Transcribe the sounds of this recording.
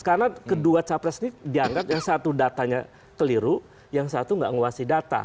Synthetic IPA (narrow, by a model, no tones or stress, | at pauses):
ə̥kanakəduat͡ʃapɾɛsnidiaŋɡat̪̚jaŋsat̪udat̪aɲa | kəliɾu | jaŋsat̪uŋɡa̰ʔŋuasidat̪a̰